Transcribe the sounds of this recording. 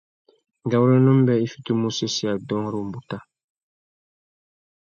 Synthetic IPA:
ɡa˨wu˦ɾe˦nũ˦m̩˦bɛ˨i˦fi̥˦tu˦mũ˦se˦si˦a˨dɔ̃˦ŋ˦ɾu˦˨m̩˨bu˦ta˦

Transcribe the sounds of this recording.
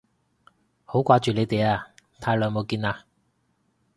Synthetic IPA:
ho˨˥wkʷaː˧t͡ʃyː˨le˨˧jt̪e˨jaː˧t̪ʰaː˧jlœː˨˧jmo˨˧wkiː˧naː˧

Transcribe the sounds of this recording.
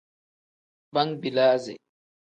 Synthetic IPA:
ba˦ŋbi˨la˦zɛ̰˨

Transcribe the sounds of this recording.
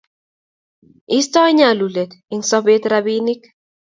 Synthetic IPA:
i˦stɔ˦ɲa˨lu˨le˨t̪i˨ŋsɔ˦be˦t̪ɾabini˦k

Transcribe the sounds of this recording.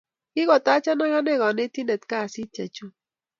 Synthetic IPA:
kɪ˦ɡɔ˨ta˦t͡ʃɔ˦na˦ŋa˦nɛ˦ɡɔ˨nɛ˦ti˦ne˨t̪ka˦˨sɪ˦t͡ʃe˨t͡ʃu˦

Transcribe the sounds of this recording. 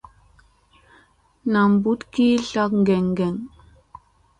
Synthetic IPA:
na˨mbu˦tki˦ɬa˦kŋ˦ɡɛ˨ŋɡɛ˨ŋ

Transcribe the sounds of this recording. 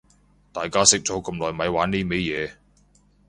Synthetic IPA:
t̪aː˨jkaː˥sɪ˥k̚t͡sɔ˨˥kɐ˧mlɔː˨˩jmɐ˨˥jwaː˨˥niː˥me˨˥jjɛː˨˧

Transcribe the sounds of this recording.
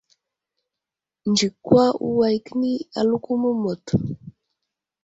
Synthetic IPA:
nd͡ʒi˨kːwa˦ṵ˦wa˨jkə˦ni˦a˨lu˦ku˦mə˦mo˨t

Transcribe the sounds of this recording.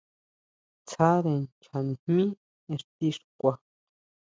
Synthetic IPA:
t͡sʰa˦ðe˧nt͡ʃʰa˨n˨hmĩ˦ | ẽ˧ʂt̪i˧˦ʂkʷa˧

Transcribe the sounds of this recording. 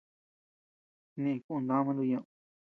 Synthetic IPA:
nĩ˦˧kũ˦˧nd̪ã˦mã˧nd̪u˧ɲã˧ʔ

